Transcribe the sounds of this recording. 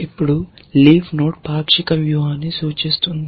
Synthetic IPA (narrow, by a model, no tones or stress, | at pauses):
ipːuɽuliːpnoːʈ̚paːpʃikɐmjuɦaːnesuːt͡ʃist̪und̪i